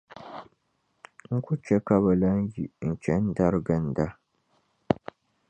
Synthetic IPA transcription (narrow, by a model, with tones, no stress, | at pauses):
ŋ̩˦ku˦t͡ʃɛ˦ka˦βa˨la˦n˦ji˨n̩˨t͡ʃɛ˨˦n̩˦da˦ɾɨ˦ɡɨ˨n̩˨da˦